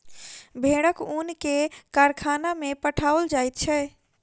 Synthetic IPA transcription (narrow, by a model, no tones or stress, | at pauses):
bʱeɽəkunkekaɾkʰanamepəʈʰaəld͡ʒajt̪̚t͡ʃʰɛ